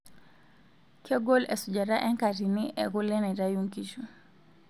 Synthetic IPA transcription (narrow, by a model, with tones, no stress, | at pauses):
kʰɛ˦ɡɔ˦lɛ˨su˨d͡ʒa˨ɾa˦ʔɛ˦ŋka˨ɾi˨ni˦ʔɛ˨ɣu˦lɛ˦na˨i˨ɾa˦ju˦ŋki˦ʃu˨